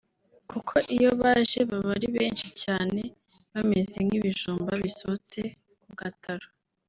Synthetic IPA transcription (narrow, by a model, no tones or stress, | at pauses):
kukʰo̞ʔijo̞βaːʒe̞βaβaɾiβe̞ːnʃicaːne | βame̞zemɡiβiʒuːmbaβisot͡se | kuɡatʰaɾo